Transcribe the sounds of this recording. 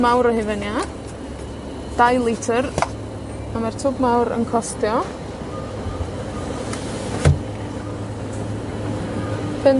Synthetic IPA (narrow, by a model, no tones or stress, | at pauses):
mawɾəhɪvənja | d̥ajlˠɪtʰər | amartʰʊːbmawɾə̰nkʰɔstjɔ | b̥ɛn